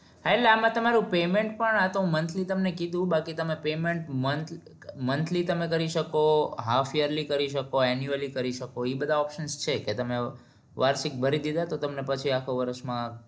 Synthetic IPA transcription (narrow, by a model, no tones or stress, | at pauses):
ɦaeleamãt̪əmaɾũpemẽɳʈ̚pəɳat̪ũmənt̪ʰlit̪əmnekid̪ʱũbakit̪əmepemeɳʈmənt̪ʰ | mənt̪ʰlit̪əmekəɾiʃəkoɦafʰijəɾlikəɾiʃəkoɛnjuəlikəɾiʃəkoibəd̪ʱaɔpʃənst͡ʃʰeket̪əme | ʋaɾʃik̚bʱəɾid̪id̪ʱat̪ot̪əmnepət͡ʃʰiakʰoʋəɾəʃmã